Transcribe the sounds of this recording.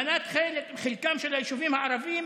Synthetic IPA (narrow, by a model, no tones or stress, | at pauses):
nat̪χelekχilkamʃelaeʃuvimhaaɾavim